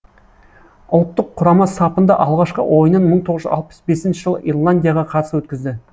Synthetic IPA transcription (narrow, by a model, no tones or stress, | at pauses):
ʊlˠt̪ːəqʰːʊɾɑmɑsɑpənd̪ɑʔɑlˠʁɑʃqə̰wʔo̞jənənməɴt̪ʰo̞ʁəʒʏ̰ɑ̰lˠpə̥sbe̞sɪnʃɪʒəlˠəʔḭrlˠand̪ijaʁɑqʰɑt̪əsəwɵt̪kʲɪzd̪ɪ